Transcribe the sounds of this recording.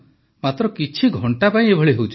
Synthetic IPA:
mat̪ɾɔkit͡ʃʰiɡʱɔɳʈapaĩebʱɔɭiɦowt͡ʃʰ

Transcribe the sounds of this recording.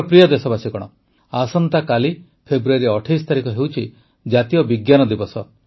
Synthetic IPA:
pɾijɔd̪esɔbasikɔɽ̃ɔ̰ | asɔnt̪akali | pʰebɾuaɾiɔʈʰijst̪aɾikɔɦewt͡ʃʰi | d͡ʒat̪ijɔbiɡjanɔd̪ibɔsɔ

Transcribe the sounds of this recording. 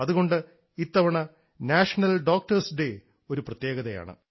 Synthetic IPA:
ɐðuɣo̞ɳɖɨ | it̪ːɐʋɐɳɐ | naːʂɐnɐlɖo̞ːk̚ʈɐrsɖe̞ | o̞ɾuprɐt̪je̞ːɣɐðɐja̰ːɳɨ̰

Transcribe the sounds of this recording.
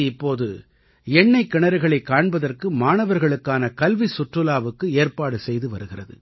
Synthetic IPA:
ɪpːoːðɯ̰ | ɛɳːɐɪkːɪɳɐɾɯɣɐɭɐɪkːaːɳbɐðɐrkɯmaːnɐʋɐɾɣɐɭɯkːaːnɐkɐlʋisʊʈrɯlaːʋɯkːɯeːrpaːɽɯsɛjðɯʋɐɾɯɣɪrɐðɯ̰

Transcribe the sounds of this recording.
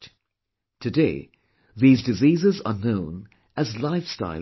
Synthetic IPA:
tʰɨdeɪ | ðizdɨziːzɪzə̰nõʊ̃n | əzlaɪfsta̰ɪ

